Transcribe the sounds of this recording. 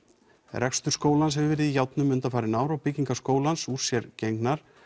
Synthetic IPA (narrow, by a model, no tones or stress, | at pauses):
rɛkst̪ʏɾ̥skoːwlanshɛvɪvɛːɾɪðijawt̪nʏmːʏnt̪afaːɾɪnaːwɾawpɪciŋkaskoːwlansuɾ̥sjɛɾcejŋknaɾ̥